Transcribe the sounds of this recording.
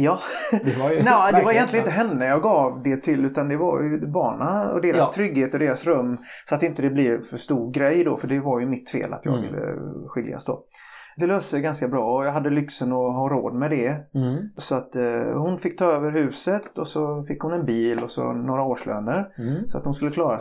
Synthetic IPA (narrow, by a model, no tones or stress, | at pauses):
jɑː | d̪nɛd̪ɛvaɾɪjɛnlɪɡnt̪əɦɛnːəjɑːɡɑːvd̪ɛt̪ʰɪlʉːt̪and̪ɛvaɾjɵbɑːɳaɔ̰d̪eːɾast̪ʰɾʏɡːheːt̪ɔd̪eːɾasɾɵmːfœɾat̪ɪnt̪əd̪ɛblɪɾfœʂt̪uːɾɡɾɛjd̪ɔ̰fœɖɛvaɾjɵmɪt̪ːfḛːla̰t̪jɑ̰ːɡvɪ̰lːə̰ɧɪlja̰sd̪o̰ː | d̪ɛløːst̪əɛɡanskabɾɑːɔjɑːɡɦad̪ːəlʏksənɔɦɑːɾo̰ːd̪mɛd̪ɛ | sɔat̪ːhʊnfɪkːt̪ʰɑːøːvəɾɦʉ̟ːsət̪ɔsɔfɪkːhʊnɛnbiːlɔsɔ̰noːɾaoːʂlø̰ːnəɾsɔa̰t̪hʊnskɵlːəkʰlɑːɾa